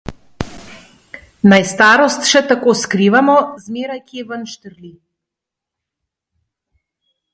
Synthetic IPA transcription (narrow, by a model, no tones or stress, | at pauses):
najst̪aɾɔst̪ʃɛt̪akɔskɾivamɔzmɛɾajkiɛvənʃt̪əɾli